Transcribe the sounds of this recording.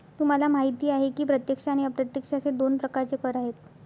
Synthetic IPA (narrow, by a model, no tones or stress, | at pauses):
t̪um̤alamaɦit̪iːaɦekiːpɾət̪jəkʂañijapɾət̪jəkʂat͡sed̪onpɾəkaɾt͡sekəɾaɦet̪